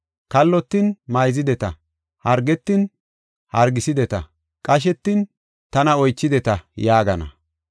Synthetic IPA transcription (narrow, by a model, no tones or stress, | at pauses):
kɐlːɔt̪ːɪnmɐjzɪd̪ɛt̪ɐ | hɐɾɡɛt̪ːɪn | hɐɾɡɪsɪd̪ɛt̪ɐ | kʼɐʃ̬ɛt̪ːɪn | t̪ɐnɐɔjt͡ʃːɪd̪ɛt̪ɐjaːɡɐnɐ̰